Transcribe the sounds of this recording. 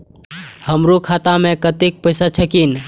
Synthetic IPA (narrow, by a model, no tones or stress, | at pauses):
həmɾukʰat̪amẽkət̪ik̚pəɪsat͡ʃʰəkin